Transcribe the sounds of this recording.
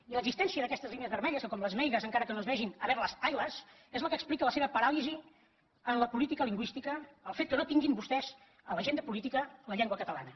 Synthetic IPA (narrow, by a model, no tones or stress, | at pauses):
iləɡzist̪ɛnsiəðəkɛst̪əzliniəzβəɾmɛʎəskəkɔmləzmɛjɣəzəŋkaɾəkənoəzβɛʒinəβɛɾləsajləs | ezlˠkəksplikələseβəpəɾalizi | ənləpulit̪ikəliŋɡwist̪ikəːlˠfet̪̚kənot̪iŋɡimbust̪ɛz | ələʒend̪əpulit̪ikələʎeŋɡwəkət̪əla̰nə